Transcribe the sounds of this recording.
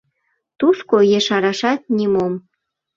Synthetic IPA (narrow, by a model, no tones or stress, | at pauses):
t̪uskojeʃɑɾɑʃɑt̪̚nʲimom